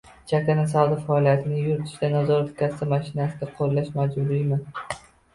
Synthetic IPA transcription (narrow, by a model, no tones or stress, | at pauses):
d͡ʒʰakʲanas̬awd̪afaɒlˠijat̪ʰɪnɪjʊɾt̪ʰɪ̥ʃd̪anazɒɾt̪ʰkʲʰasɪmaʃɪnasɪd̪aqʰoɾlːaʃmad͡ʒbʊɾɪjmɪn